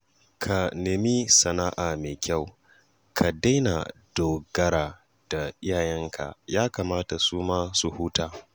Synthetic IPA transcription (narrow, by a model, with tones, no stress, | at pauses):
kʰa˨nɪ˨mi˦sɐ˨naː˦ʔaː˨meː˨kʲa˦˨w | kʰa˨da˦jna̰˨d̥oː˨ɡɐ˦ɾaː˨ | d̥a˨ʔɪ˦jaː˨jɛ˦ŋkʰa̰˨jaː˦kaː˨maː˦ta˨suː˦maː˦su˨huː˦taː˦